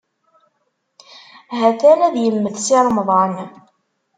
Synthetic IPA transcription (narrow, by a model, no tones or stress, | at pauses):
ɦæθænæðjəmːəθsɪɾˤmðˤɑn